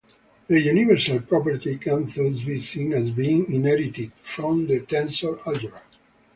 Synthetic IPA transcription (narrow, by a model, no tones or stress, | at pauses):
əjunivɛɾsalpɹɔpəɾt̪ikãnθəzbisĩnæzbĩŋĩnɛɾit̪id̪fɾɔ̃md̪ət̪ɛ̃nsɔlad͡ʒuɾa